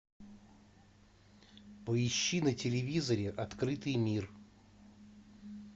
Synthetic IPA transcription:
pəɪɕːinətʲɪlʲɪvʲizəɾʲɪʔɐt̪kɾɨt̪ɨjmʲir

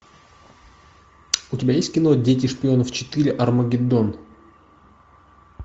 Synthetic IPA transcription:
ʊtʲɪbʲajesʲt̪ʲkʲɪno̞dʲetʲɪʂpʲɪo̞nəft͡ɕɪ̥t̪ɨɾʲɪʔɐrməɡʲɪd̪on

